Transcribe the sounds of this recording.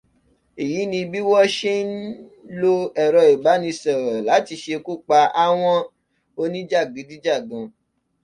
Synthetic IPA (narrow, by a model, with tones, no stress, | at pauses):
i˨ji˨˦nĩ˧bi˦wɔ˦ʃe˦n̩˦lo˦ɛ˨ɾɔ˧˨i˨ɡ͡ba˨˦nĩ˧sɛ˨ɾɔ˨la˨˦ti˧ʃe˧ku˦˨k͡pa˧a˧w̃ɔ̃˦ | o˧nĩ˦d͡ʒa˦˨ɡĩ˨˦di˦d͡ʒa˦˨ɡɔ̃˨˧